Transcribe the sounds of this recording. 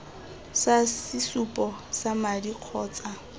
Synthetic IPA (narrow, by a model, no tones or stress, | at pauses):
sasɪsupʼɔsamadiq͡χʰɔːt͡sʼa